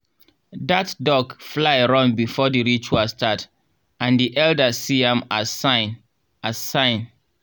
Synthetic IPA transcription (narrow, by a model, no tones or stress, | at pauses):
datdɔkflaɪɹɔ̃ŋbifɔdiɹit͡ʃuastʰat | ãndiʔɛldəsiɛ̃masãɪ̃n | asãɪ̃n